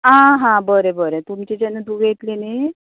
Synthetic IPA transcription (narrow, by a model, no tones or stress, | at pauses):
ɦãɦãbəɾebəɾet̪umt͡ɕid͡ʑɛnːəd̪uɡet̪lini